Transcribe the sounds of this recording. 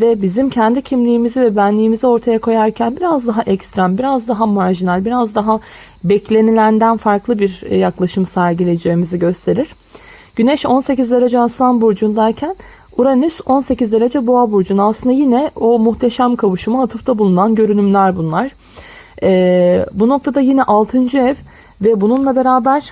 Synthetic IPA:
vɛbizimcʰɛnd̪icʰimlʲiːmizivɛbænlʲiːmizɛo̞ɾt̪ʰajakʰo̞jaɾcʰænbiɾazd̪aɦaʔɛcst̪ɾambiɾazd̪aɦamaɾʒinælʲbiɾazd̪aɦa | bɛclʲe̞nilʲænd̪ænfaɾklˠɯbiɾjaklˠaʃɯmsæɾɟilʲe̞jd͡ʒe̞ːmiziɟø̞st̪ʰe̞ɾiɾ̥ | ɟ̥ynɛʃo̞nse̞cizd̪e̞ɾad͡ʒɛasanbuɾd͡ʒund̪æɾcʰæn | uɾanyso̞nse̞cizd̪eɾad͡ʒɛboabuɾd͡ʒunaslˠɯnd̪ajinɛo̞muxt̪ʰe̞ʃæmkʰavuʃɯmɯat̪ʰɯft̪ʰabulˠunanɟø̞ɾynymlʲæɾbunlˠaɾ̥ | ɛbuno̞k̚t̪ʰad̪ajinɛʔalˠt̪ʰɯnd͡ʒɯɛv | vɛbununlˠabe̞ɾaːbæɾ̥

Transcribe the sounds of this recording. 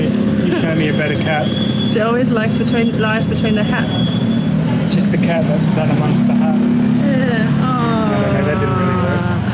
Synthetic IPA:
jɨtʰɛ̃miɨbɛɾəkʰat̚ | ʃiɔlˠwizlaɪksb̥ɨtʰw̥ĩnlaɪzbɪtʰw̥ĩːnðəkʰats | d̥ʒ̥ʌs̚ðɨkʰaʔ̚ðətsæɾəmʌ̃ŋs̚ðəhat̚ | jæ | o | aɪɾaɪdɪdⁿn̩ɹɪliwə

